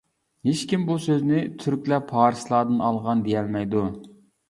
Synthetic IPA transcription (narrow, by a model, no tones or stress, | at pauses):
het͡ʃkʲimbusøznɪt̪ʰyɾkʲlɛpʰɑːɾslˠɑːd̪ɨnɑlˠʁɑnd̪ejɛlmɛjd̪u